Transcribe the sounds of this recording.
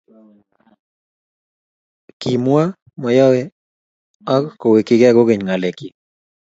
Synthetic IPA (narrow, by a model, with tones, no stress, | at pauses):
ki˨mwa˦ | mɔ˨jɔ˦we˦ | ɔ˦kko˨we˨kɪ˦ɡe˦a˦ɡo˦ɡe˨ɲŋa˨le˨ki˨